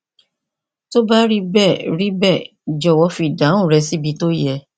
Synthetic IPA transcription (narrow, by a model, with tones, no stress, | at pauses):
to˦ba˦ɾi˦bɛ˦˨ɾi˦bɛ˦˨ | d͡ʒɔ˨wɔ˧˦fi˧˨dã˨˦ũ˦˨ɾɛ˧si˨˦bi˨˧˦to˦jɛ˧